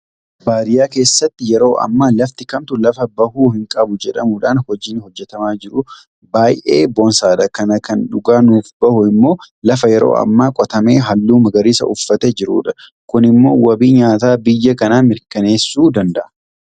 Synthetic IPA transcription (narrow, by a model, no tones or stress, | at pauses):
baːɾɪjaːke̞ːsːɐt̪ːɪjɛɾo̞ːʔɐ̰mːaːlɐft̪ɪkɐmt̪ʊlɐfɐbɐhuːhɪŋkʼɐbʊd͡ʒɛᶑɐmuᶑaːnhɔd͡ʒiːnhɔd͡ʒːɛt̪ɐmaːd͡ʒɪɾʊ | baːjʔeːbonsaːd̪ɐkɐnɐkɐnᶑʊɡaːnuːfbɐhʊɪmːo̞ː | lɐfɐjɛɾo̰ːɐ̰mːaːkʼɔt̪ɐme̞ːɦɐlːuːmɐɡɐɾiːsɐ̰ʔʊfːɐt̪ɛd͡ʒɪɾuːᶑɐ | kʊnɪmːo̞ːwɐbiːɲaːt̪aːbɪjːɐkɐnaːmɪɾkɐne̞ːsːuːd̪ɐnd̪ɐʔɐ̥